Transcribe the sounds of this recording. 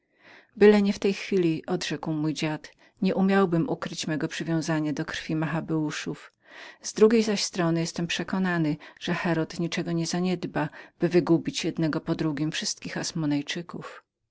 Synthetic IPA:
bɘlɛɲɛft̪ɛjxfʲilʲiʔɔd̪ʐɛkwmujd͡ʑat̪ | ɲɛʔumʲjawbɘmʔukɾɘt͡ɕmɛɡɔpʂɘvʲjɔ̃w̃zaɲad̪ɔkɾfʲimaxabɛuʂuf | zd̪ɾuɡʲejzaɕst̪ɾɔnɘjɛst̪ɛmpʂɛkɔnanɘʐ̥ɛxɛɾɔt̪ɲit͡ʂɛɡɔɲɛzaɲɛd̪bab̥ɘvɘɡubʲit͡ɕjɛd̪nɛɡɔpɔd̪ɾuɡʲimfʂɘst̪kʲixasmɔnajt͡ʂɘkuf

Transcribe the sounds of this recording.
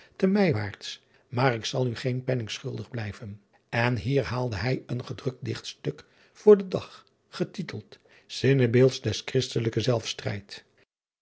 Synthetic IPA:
təmɛjʋaːɹts | maːɾɪksɑlˠyχejnpɛnɪŋsχɵlˠdəχblɛjvən | ɛnɦiːɹɦaːlˠdəɦɛjənχədrɵk̚t̚dɪχtstøk | fʊːɹdədɑχ | χətitəlˠt | z̥ɪnəbeːlˠtsdɛskrɪstələkəzɛlˠfstrɛ̰jt

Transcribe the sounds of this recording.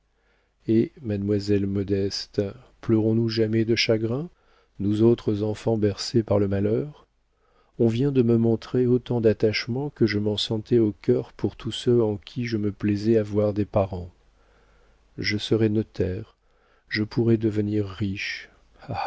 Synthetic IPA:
emad̪mwazɛlmɔd̪ɛst̪ | plœʁɔ̃nuʒamɛd̪əʃaɡʁɛ̃ | nuzot̪χəzɑ̃fɑ̃bɛʁsepaʁləmalœʁ | ɔ̃vjɛ̃d̪əməmɔ̃t̪χeot̪ɑ̃d̪at̪aʃmɑ̃kəʒəmɑ̃sɑ̃t̪ɛokʲœʁpuʁt̪ʰusøɑ̃kʲʰiʒəməplɛzɛavwaʁd̪epaʁɑ̃ | ʒəsəʁɛnɔt̪ʰɛʁ | ʒəpʰuʁɛd̪əvəniʁːiʃ | a

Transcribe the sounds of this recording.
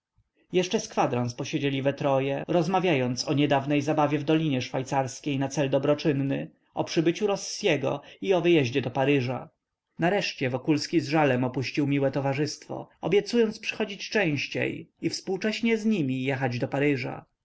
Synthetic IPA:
jɛʂt͡ʂɛskfad̪ɾanspɔɕed͡ʑɛlʲivɛt̪ɾɔjɛɾɔzmavʲjajɔnt̪sɔɲɛd̪avnɛjzabavʲjɛvd̪ɔlʲiɲɛʂfajt̪saɾskʲejnat̪sɛld̪ɔbɾɔt͡ʂɘnːɘ | ɔpʂɘbɘt͡ɕuɾɔsːjɛɡɔ̰iɔvɘjɛʑd͡ʑɛd̪ɔpaɾɘʐa̰ | naɾɛʂt͡ɕɛvɔkulskʲizʐalɛmɔpuɕt͡ɕiwmʲiwɛt̪ɔvaʐɘst̪fɔ̰ɔbʲjɛt̪sujɔnt̪spʂɘ̥xɔd͡ʑit͡ɕt͡ʂɛ̃w̃ɕt͡ɕḛjifspuwt͡ʂɛɕɲɛzɲimʲijɛxad͡ʑd̪ɔpaɾɘʐa̰

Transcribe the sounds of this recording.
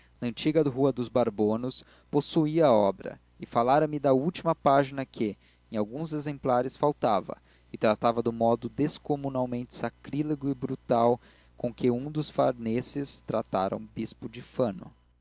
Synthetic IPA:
nɐə̃nt͡ʃiɡɐɦuɐd̪ʊzbaɾbõnʊs | posuiɐɔbɾɐ̰ | ɪfalaɾɐmɪd̪ɐuwt͡ʃimɐpaʒinɐkʰɪ | ẽj̃awɡũzezẽmplaɾɪsfawt̪avɐ̰ | ɪt̪ɾat̪avɐd̪ʊmɔd̪ʊd̪eskomunawmẽnt͡ʃɪ̥sakɾileɡʊɪbɾut̪aw | kõkɪũd̪ʊsfaɾnesɪst̪ɾat̪aɾɐ̰ũbispʊd͡ʒɪfɐ̃nʊ̰

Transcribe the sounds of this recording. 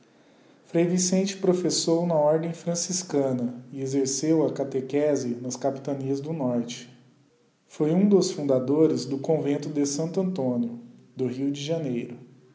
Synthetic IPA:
fɾejvisẽnt͡ʃɪ̥pɾofesownɐɔɾd̪ẽj̃fɾɐ̃siskɐ̃nɐɪezeɾsewɐkat̪ekɛzɪnɐskapi̥t̪ɐniɐzd̪ʊnɔɾt͡ʃɪ̥ | fojũd̪ʊsfũnd̪ad̪oɾɪzd̪ʊkõvẽnt̪ʊd̪ɪsɐ̃nt̪ʊɐ̃nt̪õniʊ | d̪ʊɦiwd͡ʒɪʒɐnejɾʊ

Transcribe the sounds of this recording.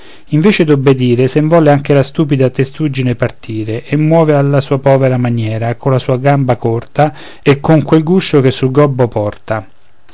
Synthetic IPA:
iɱveːt͡ʃed̪obːed̪iːɾesemvɔleaŋk̟elast̪uːpid̪at̪est̪ud͡ʒinepart̪ʰiːɾeʔemːwɔːvealːasuːapɔːveɾamanjɛːɾakolasuːaɡambakɔrt̪a | ekːoŋkwelɡuʃːok̟esːulɡɔbːopɔrt̪a

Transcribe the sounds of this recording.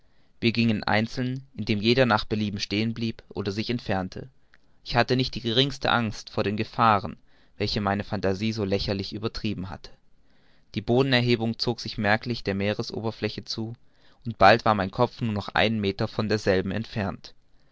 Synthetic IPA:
v̥iːɐɡɪŋənʔa̰ɪnt͡sl̩nɪndeːmjeːɾɐnaːχb̥əliːbm̩ʃteːənbliːpʔo̰ːdɐzɪçɛntfɛɐntʰə̰ | ʔɪçhatənɪçt̚d̥iːɡəʁ̞ɪŋstə̰ʔaŋstfoːɐɾeːnɡəfaːʁ̞ən | vɛlçəmaɪnəfantaziːzoːlɛçɐlɪçʔyːbɐtʁ̥iːbm̩ɦa̰tʰə̥ | d̥iːboːdn̩ɛɐɦeːbʊŋt͡soːkz̥ɪçmɛɐklɪçd̥eːɐmeːʁəsʔo̰ːbɐflɛçət͡suː | ʔʊnt̚b̥altv̥aːɐmaɪnkʰɔp͡fnuːɐnɔχʔa̰ɪnənmeːtɐfɔndeːɐzɛlbm̩ɛ̰ntfɛɐnt

